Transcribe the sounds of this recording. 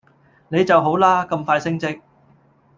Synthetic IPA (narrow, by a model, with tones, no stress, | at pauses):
ne˨˧jt͡sɐ˨wɦo˨˥wlaː˥kɐ˧mfaː˧jsɪ˥ŋt͡sɪ˥k̚